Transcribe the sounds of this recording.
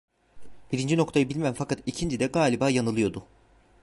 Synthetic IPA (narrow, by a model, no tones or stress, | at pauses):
b̥iɾind͡ʒino̞kt̪ʰajɯbilʲmæmfakat̪icʰind͡ʒid̪ɛɡaːlʲibaːjanɯlˠɯjo̞d̪ʊ